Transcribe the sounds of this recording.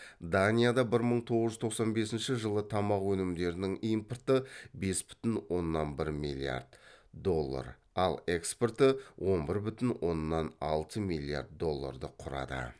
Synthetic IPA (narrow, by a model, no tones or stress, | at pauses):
d̪anʲijad̪ɑbɪɾməɴt̪ʰo̞ʁəzʒʏzt̪ʰoqsɑnbe̞sɪnʃɪʒəlˠət̪ʰɑmɑqwɵnɪmd̪e̞ɾɪnɪŋijmport̪əbe̞sbʏ̥t̪ɪnwo̞nːɑnbɪɾmilʲia̰rd̪d̪o̞lˠːa̰ɾ | ɑlˠe̞ksport̪əwʔo̞nbɪɾbʏt̪ɪnwʔo̞nːɑnɑlˠt̪əmijlʲˠːija̰rd̪̚d̪o̞lˠːa̰rd̪əqʰʊɾɑ̰d̪ə̰